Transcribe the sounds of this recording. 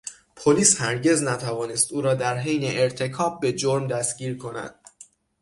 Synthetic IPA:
pʰoliːshæɾɟe̞znæt̪ʰævɒːnest̪uːɾɒːd̪æɾɦejneʔeɾt̪ʰe̞kʰɒːb̚ːe̞d͡ʒoɾmd̪æstɟiːɾkʰo̞næ̰d̪̥̚

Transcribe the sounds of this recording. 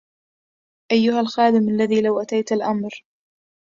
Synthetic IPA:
ʔajːʊhalxaːd̪ɪmʔalːaðiːlawʔat̪ajt̪alʔamɾ

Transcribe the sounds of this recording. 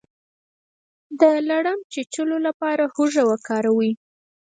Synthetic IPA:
d̪əlaɽamt͡ʃet͡ʃəlolapɑɾahoʒawakɑɾawi

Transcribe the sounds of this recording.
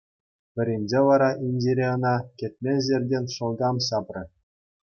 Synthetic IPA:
pʲɘ̆ɾʲenʲd͡ʑeʋɑɾɑʔinʲd͡ʑiɾʲeɤ̆nɑkʲĕt̪̚ʲmʲenʲzʲerʲdʲenʲʂɤ̆lˠɡɑmɕɑprʲɤ̆

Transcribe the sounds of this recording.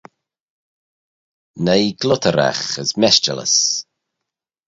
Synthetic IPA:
nejɡlʊtʰəɾa̰xəzmɛst͡ʃə̰lə̰s

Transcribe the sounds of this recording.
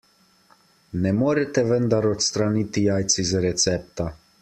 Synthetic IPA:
nɛmoːɾɛt̪ɛʋənd̪aɾɔt̪st̪ɾanit̪ijaːjt̪sizaɾɛt̪sɛːp̚t̪a

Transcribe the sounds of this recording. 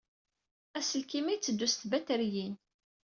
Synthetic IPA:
æsəlkimæjt͡sːəd̪ːust̪bæt̪æɾjin

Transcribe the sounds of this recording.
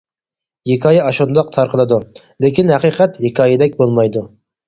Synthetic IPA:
jekʰɑːjɛɑʃund̪ɑqt̪ʰɑɾqʰəlˠɨd̪u | lekʲʰinhɛqiːqʰɛt̪jekʰɑːjɪd̪ɛk̚ʲbolˠmɑjd̪u

